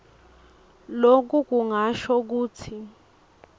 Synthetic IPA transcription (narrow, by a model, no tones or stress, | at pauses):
lok̬uk̬uŋaʃɔk̬uːt͡sʰi